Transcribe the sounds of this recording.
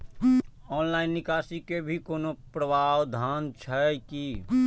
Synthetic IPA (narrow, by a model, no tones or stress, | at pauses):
ɔːnlaːɪnːɪkaːsikebʱikoːnopɾəbʱaːwd̪ʱaːnt͡ʃʰəki